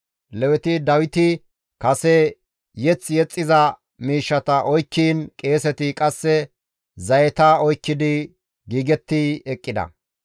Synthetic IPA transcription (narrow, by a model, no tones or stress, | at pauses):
lɛwɛt̪ɪd̪ɐwɪt̪ɪ | kɐsɛ | jɛt͡sːjɛt͡sʼːɪzɐ | miːʃːɐt̪ɐʔɔjkːiːnkʼe̞ːsɛt̪ɪkʼɐsːɛ | zɐjɛt̪aɔjkːɪd̪ɪ | ɡiːɡɛt̪ːɪɛkʼːɪd̪ɐ̰